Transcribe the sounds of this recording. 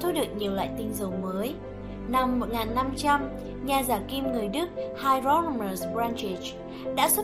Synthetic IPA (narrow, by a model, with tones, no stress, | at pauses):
t̪ʰu˧˦ɗɨ˨˩ək̚ɲi˨˩əwla̰ː˧˨jt̪ï˧ŋ̟zə˨˩˦wməː˨˦j | na˧mːo˨˩t̚ŋaː˨˩nːa˧mt͡ɕa˧m | ɲaː˨˩zaː˧˩ki˧mŋɨ˨˩əjɗɨ˦˥ək̚haː˧jzɔ˦˥mə˨˩zbɹaː˧nt͡ɕi˨˩t͡ɕ | ɗa̰ː˧˥swə˦˥